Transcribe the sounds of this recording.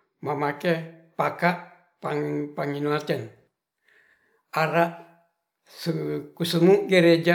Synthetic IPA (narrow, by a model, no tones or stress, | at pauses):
mamakɛpakaʔ | paŋpaŋinuat͡ʃɛn | aɾaʔ | səkusəmuʔɡəɾed͡ʒa